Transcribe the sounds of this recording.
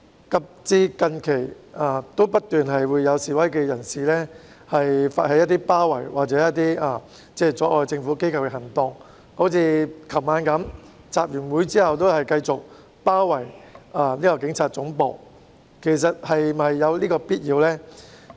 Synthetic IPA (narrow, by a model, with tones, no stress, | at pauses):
kɐ˨p̚t͡siː˧kɐ˧nkʰe˨˩j | aː˨t̪o˥wpɐ˥t̚t̪yː˨˩nɦɐ˨jwuː˨˧jːɐ˨˧wsiː˨wɐ˨˥jkɛː˧jɐ˨˩nsiː˨lɛː˥ | hɐ˨jfa̰ː˧t̚hɐ˨˧jɐ˥t̪̬iː˥paː˥wɐ˨˩jwaː˨k̚t͡sɛː˨˥jɐ˥t̚t̪iː˥ʔaː˨˩ | t͡sɛː˥˩t͡sɔː˨˥ʔɔː˧jt͡sɪ˧ŋfu˨˥ke˥jkʰɐ˨˧wkɛ˧hɐ˨˩ŋt̪ʊ˧ŋ | ho˨˥t͡sʰiː˧kʰɐ˨˩wmaː˨˧nkɐ˨˥m | t͡saː˨p̚jyː˨˩nwuː˨˥jt͡siː˥hɐ˨wt̪o˥whɐ˨jkɐ˧jt͡sʊ˨k̚ | paː˥wːɐ˨˩jaː˨nliː˥kɔː˧kɪ˨˥ŋt͡sʰaː˨t̚t͡sʊ˨˥ŋpo̰ː˨˩w | kʰe˨˩js̬ɐ˨t̚hɐ˨jmɐ˨jːɐ˨˧wliː˥kɔː˧piː˥t̚jiː˨˧wlɛː˥